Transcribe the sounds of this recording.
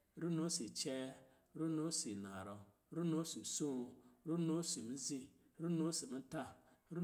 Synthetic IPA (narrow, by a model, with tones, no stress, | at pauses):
ɾu˦no˦si˨t͡ʃɛː˦ | ɾu˦no˦si˨na˨ɾo˨˦ | ɾu˦no˦si˨so˦˨˦ɾu˦no˦si˨mi˦zi˦ | ɾu˦no˦si˨mĩ˦ta˦ɾu˦